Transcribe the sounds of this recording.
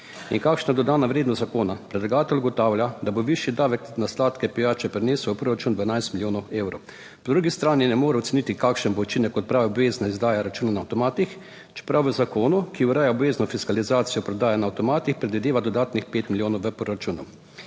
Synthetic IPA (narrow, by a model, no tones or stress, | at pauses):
ḭnkakʃnad̪ɔd̪aːnaʋɾeːd̪nɔst̪zakoːnapɾɛd̪laɡaːt̪ɛlʲuɡɔt̪aːwlʲjad̪aboʋiʃjid̪aːʋɛknaslaːt̪kɛpijaːt͡ʃɛpɾɛneːsuwɔpɾoːɾat͡ʃund̪ʋanajst̪miljoːnɔeːwɾɔw | pɔd̪ɾuɡist̪ɾaːninɛmoːɾɛɔt̪sɛnit̪ikakʃənbout͡ʃinɛkːɔt̪̚pɾaːʋaɔbʋeːznaizd̪aːjaɾat͡ʃuːnanaːwt̪ɔmaːt̪ix | t͡ʃɛ̥pɾawʋəzakoːnukiuɾaːjaɔbʋeːznɔfiskalizaːt̪sijɔpɾɔd̪aːjanaːwt̪ɔmaːt̪ixpɾɛd̪ʋid̪eːʋad̪ɔd̪aːt̪nixpeːt̪miljoːnɔwʋəpɾoɾat͡ʃunu